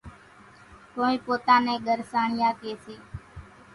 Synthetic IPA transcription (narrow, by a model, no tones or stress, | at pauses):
koːĩːpoːt̪ãːnẽːɠəɾsaːɳɪjãːkeːsiː